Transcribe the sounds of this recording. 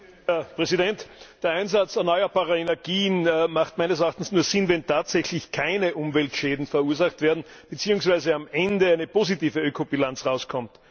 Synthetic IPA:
ɛpʁɛzidɛntd̥ːɐaɪnzat͡sɛɐnɔʏɐbaːʁɐenɛɐɡiːnːmaχtmæɪnəsɐaːχtn̩snuːɐz̥ɪnvɛntʰaːtz̥ɛçlɪçkʰaɪnəʔʊmvɛltʃɛːdn̩fɛɐuːɐzaχtv̥eːɐdn̩ | b̥ət͡siːʊŋsv̥æɪzəamʔɛndəæɪnəpoːzitiːvəøːkʰobilãnt͡sʁaʊskʰɔmt

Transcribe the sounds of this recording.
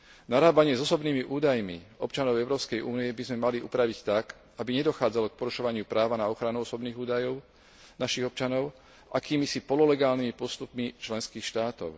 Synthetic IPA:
naɾaːbaɲɪɛzɔsɔbniːmiʔuːd̪ajmḭɔpt͡ʃanɔʊɛʊɾɔːpskɛjʔuːnijɛbizmɛmaliʔupɾaʋict̪ak | abiɲɛd̪ɔxaːd͡zalɔk̚pɔɾuʃɔʋaɲɪupɾaːʋanaɔxɾanuɔsɔbniːɣuːd̪ajɔʊ | naʃiɣɔpt͡ʃanɔʊ | ʔa̰kiːmisipɔlɔlɛɡaːlnimipɔst̪upmit͡ʃlɛnskiːxʃt̪aːt̪ɔ̰ʊ

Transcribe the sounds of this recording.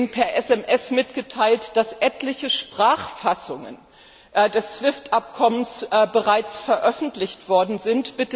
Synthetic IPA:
npʰɛɐʔɛsɛmʔɛsmɪtɡ̥ətʰaɪltd̥asʔɛtlɪçəʃpʁ̥aːχfasʊŋə̰n | ʔdɛst͡sv̥ɪftʔap̚kʰɔmənsbəʁaɪt͡sfɛɐʔœfn̩tlɪçtv̥ɔɐdn̩zɪntb̥ɪtə

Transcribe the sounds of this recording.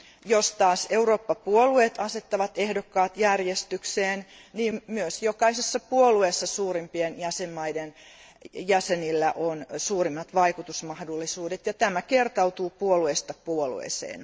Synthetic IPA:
jost̪ɑːseuroːpːɑpuolueːt̪ɑset̪ːɑʋɑt̪ehdokːɑːt̪jærjest̪ykseːn | niːmmyøsjokɑisesːɑpuoluesːɑsuːrimpienjæsemːɑiden | jæsenilːæʔonsuːrimːɑt̪ʋɑikut̪usmɑhdolːisuːdet̪jɑt̪æmækert̪ɑut̪uːpuoluest̪ɑpuolṵḛˑsḛːn

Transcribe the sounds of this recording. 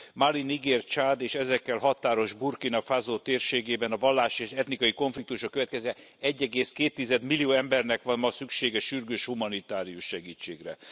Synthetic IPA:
maliniɡeːrt͡ʃaːd̪eːʃɛzɛkːɛlɦɒt̪aːɾo̞ʒburkinɒfazoːt̪eːrʃeːɡeːbɛnɒvɒlːaːʃeːʃɛt̪nikɒiko̞ɱflikt̪uʃɒkːøvɛt̪kɛzɛ | ɛɟːɛɡeːskeːt̪ːizɛd̪milijoːɛmbɛrnɛkʋɒnmɒsykʃeːɡɛʃyrɡøːʃhumɒnit̪aːɾijuʃːɛɡiːt͡ʃːḛːɡrɛ

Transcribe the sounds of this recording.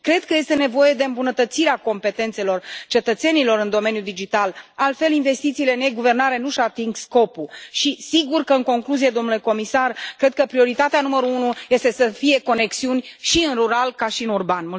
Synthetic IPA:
kɾe̞d̪̚kəje̞st̪e̞ne̞vo̞je̞d̪e̞ɨmbunət̪ət̪siɾeako̞mpe̞t̪e̞nt̪se̞lo̞rt͡ʃe̞t̪ət̪se̞nilo̞ɾɨnd̪o̞me̞njud̪id͡ʒit̪alalt̪fe̞linve̞st̪it̪siːle̞ɨne̞ɡuve̞rnaɾe̞nuʃat̪iŋɡsko̞puʃisiɡurkəɨŋko̞ŋkluzijed̪o̞mnule̞ko̞misarkɾe̞d̪̚kəpɾio̞ɾit̪at̪eanuməɾuunuje̞st̪e̞səfije̞ko̞ne̞ksiunʲʃiɨnruɾalkaʃiɨnurbanmul

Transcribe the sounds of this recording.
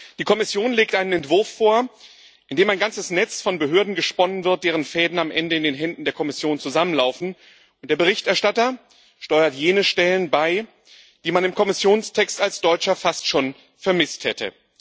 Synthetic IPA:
d̥iːkʰɔmɪsjoːnleːk̚tʔaɪnənɛntv̥ʊɐfːoːɐ | ʔɪndeːmaɪnɡant͡səsnɛt͡sfɔnbəɦøːɐdn̩ɡəʃpɔnənvɪɐt̚d̥eːʁ̞ənfɛːdn̩amʔɛ̰ndəɪndeːnɦɛndn̩deːɐkʰɔmɪsjoːnt͡suzamənlaʊfn̩ | ʔʊntd̥eːɐbəʁ̞ɪçtɛɐʃtatɐ | ʃtɔʏɐtjeːnəʃtɛlənbaɪ | d̥iːmanɪmkʰɔmɪsjoːnstʰɛkstalsd̥ɔʏt͡ʃɐfastʃoːn | fɛɐmɪsthɛtʰə̰

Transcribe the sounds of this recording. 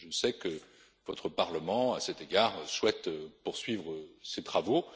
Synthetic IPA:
ʒəsɛkə | vɔt̪χəpaʁləmɑ̃asɛt̪eɡaʁswɛt̪puʁsɥivʁəset̪χavo

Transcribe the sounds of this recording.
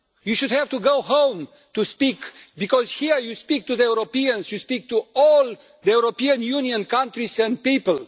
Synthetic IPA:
juʃud̪hɛvt̪uɡoʊhõw̃m | t̪uspikbikɔzhiɹjuspik̚t̪uðəuɾopiə̃nsjuspik̚t̪uɔl | ðəjuɾopiə̃njuniə̃nkãntɹisɛ̃nd̪̚pipəl

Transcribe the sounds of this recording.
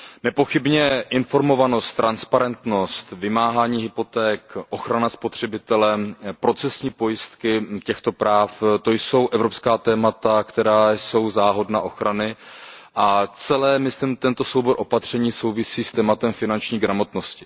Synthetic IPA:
nɛpo̞xɪbɲɛʔɪnfo̞ɾmo̞vano̞st̪ːɾʔanspaɾɛnt̪no̞st̪vɪmaːɦaːɲiːɦɪpo̞t̪ɛːkʔo̞xɾanaspo̞t̪r̝̥ɛbɪt̪ɛlɛpɾo̞t͡sɛsɲiːpo̞jɪst̪kɪcɛxt̪o̞pɾaːft̪o̞jso̞wʔɛvɾo̞pskaːt̪ɛːmat̪akt̪ɛɾaːjso̞wzaːɦo̞dnaʔo̞xɾʔanɪʔat͡sɛlɛːmɪsimt̪ɛnt̪o̞so̞wbo̞ɾʔo̞pat̪r̝̥ɛɲiːso̞wvɪsiːst̪ɛːmat̪ɛmfɪnant͡ʃɲiːɡɾamo̞t̪no̞scɪ̥

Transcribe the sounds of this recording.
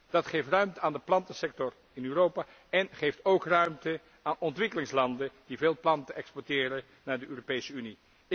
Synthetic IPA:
d̥ɑtχejftrœɥmtəaːndəplɑntəsɛk̚tɔr | ɪnyːrowpaː | ɛnχejftowkrœɥmtə | aːnɔntʋɪkəlɪŋslɑndəd̥iveːlˠplɑntəʔɛkspɔɹtɪːɾə | naːɹdəøːropejsəyni

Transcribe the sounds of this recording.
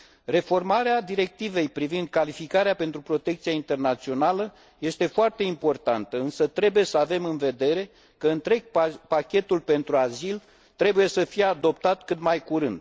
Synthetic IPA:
re̞fo̞rmaɾead̪iɾe̞k̚t̪ive̞jpɾivind̪̚kalifikaɾeape̞nt̪ɾupɾo̞t̪e̞kt̪sijaint̪e̞rnat̪sio̞nalə | je̞st̪e̞foart̪e̞impo̞rt̪ant̪əɨnsət̪ɾe̞buje̞səave̞mɨnve̞d̪e̞ɾe̞ | kəɨnt̪ɾe̞ɡ̚pakʲe̞t̪ulpe̞nt̪ɾuazil | t̪ɾe̞buje̞səfijead̪o̞pt̪at̪kɨt̪majkuɾɨnd̪̥

